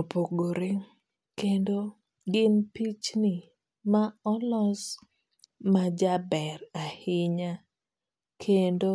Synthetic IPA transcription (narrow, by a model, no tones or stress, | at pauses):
opoɡoɾeŋ | kendo | ɡɪmpit͡ʃnɪ | maɔlɔz | mad͡ʒabɛɾahɪɲa | kʰendo